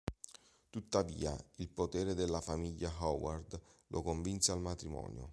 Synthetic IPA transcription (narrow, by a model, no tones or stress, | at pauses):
t̪ut̪ːavḭːa̰ilpot̪ɛːɾed̪elːafamiʎːaɦɔward̪lʔokoɱvinsealmat̪ɾimɔ̰ːnjo̰